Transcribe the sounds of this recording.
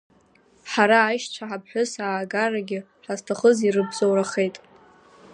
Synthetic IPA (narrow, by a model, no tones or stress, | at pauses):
ħaɾaːjʃt͡ʃʷʰaħapʰħʷᶣʊsaːɡaraɡʲɪ | ħʷaztʰaχəzirɨbzowɾaχe̞jtʼ